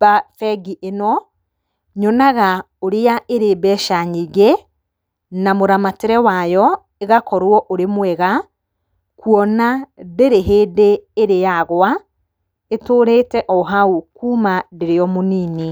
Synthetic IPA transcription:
bafɛɡiʔenɔ | ɲɔnaɣa | oɾeaʔeɾebɛʃaɲiɣe | namoɾamateɾɛwajɔ | eɣakɔɾwɔʔoɾemwɛɣa | kuɔnadeɾeɦeːdeːɾejaɣwa | etoːɾeːtɛʔɔɦaukuːmadeɾeɔmoniːni

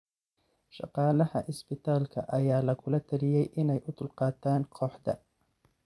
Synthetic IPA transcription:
ʃɑ̰qɑːlɐhɐ̰ʔɪsbɪt̪ʰaːlkʰɐ̰ʔɐjaːlɐkʰʊlɐt̪ʰɐlɪjɛjʔɪnɛjʔʊd̪ʊlqɑːt̪ʰaːnkʰɔːħd̪ɐ̰

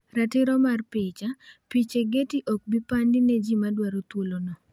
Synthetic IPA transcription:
ɾatɪɾɔmarpɪt͡ʃapit͡ʃeɡetiʔɔk̚bipandinɛd͡ʒimadwaɾot̪wolonɔ

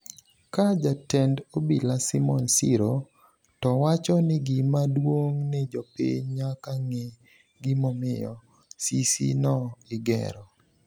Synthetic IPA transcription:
kad͡ʒatɛndobilasimɔnsiɾo | tɔwat͡ʃɔnɪɡimadwoŋnɪd͡ʒɔpḭɲɲakaŋe | ɡimɔmɪjɔ̰ | sisḭnɔɪɡɛ̰ɾɔ

